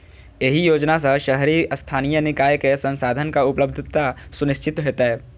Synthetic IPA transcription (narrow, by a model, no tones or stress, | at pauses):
jeɦijoːd͡ʒnas̬ɐʃɐɦɾiɐst̪ʰaːnijənɪkaːjkesɐ̃nsaːd̪ʱənkaʊpləbd̪ʱt̪asʊnɪʃt͡ʃɪt̪ɦeːt̪aɦɛː